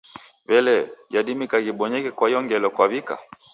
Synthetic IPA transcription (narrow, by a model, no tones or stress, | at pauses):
βɛlɛjaɗimikaɣiɓɔɲɛkɛkwaijɔŋɡɛlɔkwaβika̰